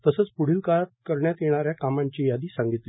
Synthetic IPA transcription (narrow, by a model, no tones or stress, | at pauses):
t̪əsət͡spuɽ̤iːlkat̪̚kəɾɳjat̪jeɽ̃aɾjakamãɲt͡ɕiːjad̪iːsãŋɡit̪li